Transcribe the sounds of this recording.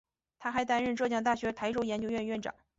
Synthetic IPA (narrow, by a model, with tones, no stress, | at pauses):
t̪ʰa˥xa˧˥ɪt̪a˥nɻə˥˧nʈ͡ʂɤ˥˧ɕjɑ˥˧ŋt̪a˥˩ɕɥɛ˧˥p̪ʰa˧˥ɪʈ͡ʂo˥ʊjɛ˧˥nt͡ɕjo˥ʊɥɛ˥˧nɥɛ˥˩nʈ͡ʂɑ̰˨˩˦ŋ